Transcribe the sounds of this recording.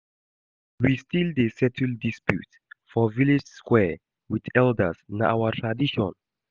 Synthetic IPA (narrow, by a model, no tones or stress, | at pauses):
wistildesɛtʰəldispjṵt | fɔvilid͡ʒskwɛ | wiðɛldə̰sna̰wətʰɹadiʃɔ̃n